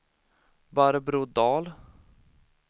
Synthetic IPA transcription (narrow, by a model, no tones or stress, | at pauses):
baɾbɾuːd̪ɑːl